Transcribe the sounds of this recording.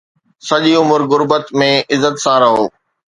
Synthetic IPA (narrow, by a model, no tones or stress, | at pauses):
sɐʄiʊmʊɾɣʊɾbət̪mẽɪzət̪sãɾɐɦoː